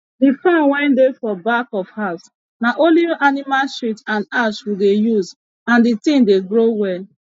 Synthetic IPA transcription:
difãnwɛ̃ndefɔbakɔfhas | naʔoliʔanimalʃitãnaʃwidejuz | ãnditĩndeɡɹowɛl

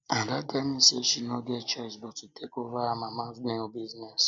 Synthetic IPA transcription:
ãdadamĩsɛʃinɔ̃ɡɛt͡ʃasbɔtitʰɛkovaamãmãɛ̃obiznɛs

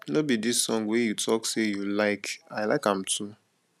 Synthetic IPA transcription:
nobidisːɔ̃ŋɡwejutʰɔksejulaɪkaɪlaɪkãmtʰu

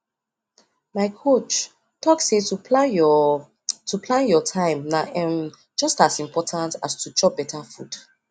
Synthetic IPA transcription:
maɪkʰot͡ʃ | tʰɔksetupa | tʰupʰlãnjɔtʰãɪ̃mnaʔɛ̃m | d͡ʒɔstasĩmpʰɔtʰãntastʰut͡ʃɔbɛtʰafud̥

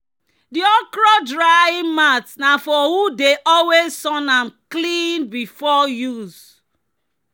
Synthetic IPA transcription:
diɔkɹɔdɹaimatnafɔhudeʔɔlwezsɔ̃nãmklĩnbifɔjuz

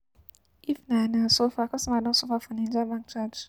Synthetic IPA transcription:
ifnanasofakɔsãmadɔ̃sofafɔnɛnd͡ʒabãk̚t͡ʃad

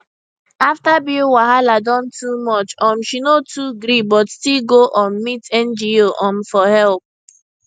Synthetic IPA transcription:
aftabiowaɦaladɔ̃ntumɔt͡ʃɔ̃m̩ʃinotuɡɾibɔtstilɡoʔɔ̃nmitɛ̃nd͡ʒioʔɔ̃m̩fɔhɛlp̚

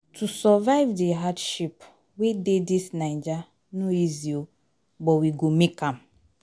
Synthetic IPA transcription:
tusɔvaɪvdiɦadʃip | wededisnaɪd͡ʒa | noizio | bɔwiɡomekãm

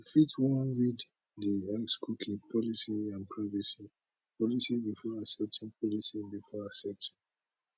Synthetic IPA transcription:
fitwɔ̃nɹid | dihaɪskukʰĩpʰɔlisiãnpʰɹavisi | pɔlisibifɔasɛp̚tʰĩŋpʰɔlisibifɔasɛp̚tʰĩ

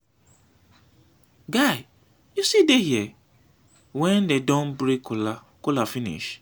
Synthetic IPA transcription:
ɡaɪ | jusidehiɛ | wɛ̃ndedɔ̃nbɾikʰʊla | kʊlafĩnḭʃ

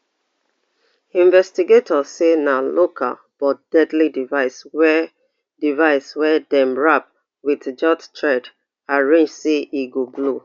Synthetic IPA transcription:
ĩɱvɛstiɡetʰɔsenalokʰa̰l | b̥ɔt̚d̥ɛdlidivaɪswɛ | divaɪswɛdɛ̃mɹap̚ | witd͡ʒɔttʰɹɛd | aɹẽnd͡ʒseiɡoblo

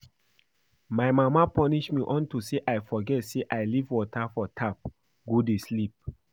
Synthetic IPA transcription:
majmamapʰɔniʃmiʔɔ̃ntuseʔajfɔɡɛtseʔajlivwɔtʰafɔtʰap̚ | ɡodeslip̚

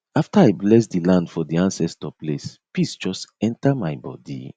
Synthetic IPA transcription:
aftaajblɛs̬dilãndfɔdiãnsɛstɔplespisd͡ʒɔstɛ̃ntamajbɔ̰dḭ

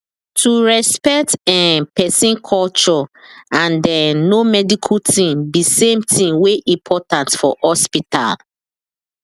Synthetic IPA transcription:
tʰuɹɛspɛk̚tɛ̃pʰɛsĩnkʰɔlt͡ʃɔãndɛnomɛdikʰutĩmbisẽmtʰĩmweʔĩmpʰɔtãntfɔ̰hɔspita̰l

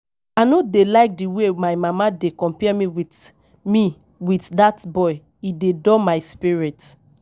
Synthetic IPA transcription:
anodelaɪk̚diwemaɪmamadekɔ̃mpɛmiwit | mi | witdatbɔɪ | idedɔmaɪspiɹit

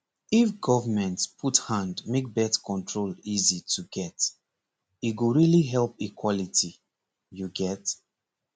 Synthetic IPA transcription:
ifɡɔvəmɛ̃ntpʰuthãndmek̚bɛtkɔ̃ntʰɹolizitʰuɡɛt | iɡoɹiliɦɛlpikwɔliti | juɡɛt

